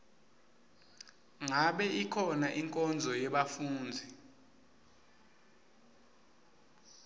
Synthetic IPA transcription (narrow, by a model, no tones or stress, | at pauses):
ŋaɓɛʔikʰɔnaʔiŋkʼɔnd͡zʱɔjɛɓafuːnd͡zʱi